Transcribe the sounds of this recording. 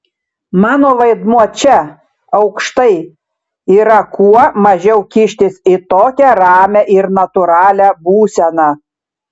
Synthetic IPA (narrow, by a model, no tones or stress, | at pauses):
mɑːnoːʋɐɪd̪muɔt͡ʃʲɛ | ɐʊkʃt̪ɐɪ | iːɾɐkuɔmɐʒʲɛʊkʲɪʃʲt̪ʲɪsɪt̪oːkʲɛɾɑːmʲɛʔɪɾnɐt̪ʊɾɑːlʲæbuːsʲɛnɑ